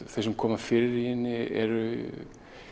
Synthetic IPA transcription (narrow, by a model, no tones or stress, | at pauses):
θesɛmkʰɔːmafɪɾɪɾihɪnːɪɛ̰ɾʏ